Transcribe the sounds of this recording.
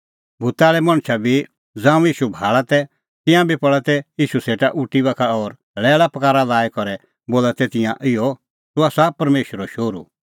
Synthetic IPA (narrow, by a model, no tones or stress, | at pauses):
bʱʊt̪aːɭɛmɐ̃ɽ̃t͡ʃʰabʱi | d͡zãːũjiːʃubʱaːɭat̪ɛ | t̪ɪ̃jãbʱipɐɭat̪ɛjiːʃuseːʈaʔʊʈibakʰaɔːɾ | lɛːɭapɐkaːɾalaːikɔɾɛ | boːlat̪ɛt̪ɪ̃jãʔɪjɔ | t̪ʊaːsapɐɾmeːʃəɾɔʃoːɾṵ